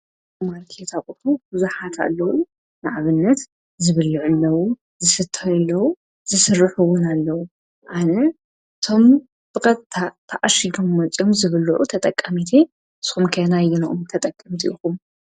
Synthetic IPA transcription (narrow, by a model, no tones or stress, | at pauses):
maɾkʰet̪ʰakʼuħubɨzuħat̪ʰa̰lːɐwu | nɨʕaβɨnːɐt̪ | zɨβɨlɨʕʊlːɐwu | zɨsɨt̪ʰːɐjɐlːɐwu | zɨsɨrːɨħuwʊnalːɐwu | ʔanɐ | ɨt̪ʰo̞m | b̥ɨkʼɐt̪ʰːɐʔaʃiɡ̪omːɐt͡sʼjomzɨβɨluʕut̪ʰɐt̪ʼɐkʼːɐmit̪ʰe | ɨsxumkʰɐnajɪnʔomt̪ʰɐt̪ʼɐkʼːɨmt̪ʰɨʔixum